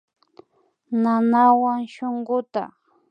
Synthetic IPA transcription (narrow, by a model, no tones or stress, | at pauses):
nanawaŋʃoɴɢʊt̪ɑ̰χ